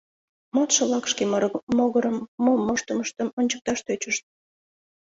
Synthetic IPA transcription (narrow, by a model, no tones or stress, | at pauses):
mot̪ʃəlɑkʃkemmoɣəɾəmːomoʃt̪əməʃt̪əmonʲt͡ɕək̚t̪ɑʃt̪øt͡ɕəʃt̪̚